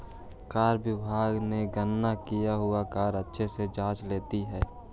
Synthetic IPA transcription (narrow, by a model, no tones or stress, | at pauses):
kaːɾbɪbʱaːɡneɡənːakijaɦʊakaːɾətːʃʰesed͡ʒãːt͡ʃleːt̪iɦɛː